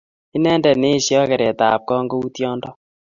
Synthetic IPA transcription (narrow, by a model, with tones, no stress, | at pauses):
i˦nɛ˦ndɛ˨ne˦ʃjɔ˦kɛ˨ɾɛ˨ta˨p̚kɔ˦ŋɡo˦u˦tjɔ˦ndɔ˦